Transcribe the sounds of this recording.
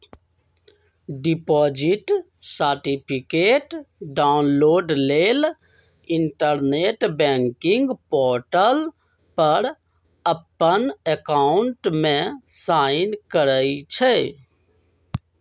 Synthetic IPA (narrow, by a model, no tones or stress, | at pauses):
ɖipɔd͡ʒiʈ | səɾʈipʰikeʈɖanloɖlel | iɳʈəɾneʈbɛŋkiŋɡpɔɾʈəl | pəɾ | əpːənekaɳʈmẽsainkəɾəjt͡ʃʰɛ